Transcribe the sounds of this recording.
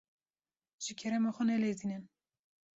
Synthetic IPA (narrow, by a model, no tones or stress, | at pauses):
ʒ̥ɪkʲʰɛɾɛmɑxɔnɛled̪inɨn